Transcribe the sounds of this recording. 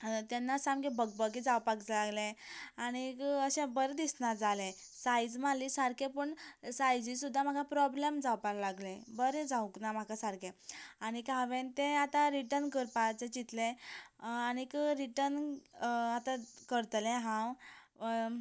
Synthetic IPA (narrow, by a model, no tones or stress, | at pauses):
t̪janːasãmɡebək̚bəɡed͡zawpakt͡slaɡleañikəɕẽbəɾd̪isnad͡zalẽ | sajd͡zmalisaɾkẽpəɳsajd͡zisud̪ʱːam̤akapɾɔblemd͡zawpallaɡlẽbəɾẽd͡zauknam̤akasaɾkʰẽanikaʋẽnt̪ẽat̪ãɾiʈəɾnkəɾpat͡sẽt͡ɕit̪lẽ | anikɾiʈəɾn | at̪ãkəɾt̪lẽɦãw